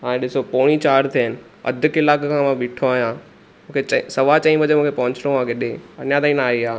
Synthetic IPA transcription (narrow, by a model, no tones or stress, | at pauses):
ɦãːẽɗɪsopoːɽ̃it͡ɕaːɾt̪ʰiənɪ̆ | ɐ̰d̪ʱʊkɪlaːkkʰãmãʋɪʈʰoaːɦijã | mũːkʰet͡ɕɐsɐʋat͡ɕɐ̃ĩbɐd͡ʑemũːkʰepɐɦʊ̃ɲt͡ɕʰɪloʋãːkeɗẽɐnjad̪ãːĩnaaːɦiaː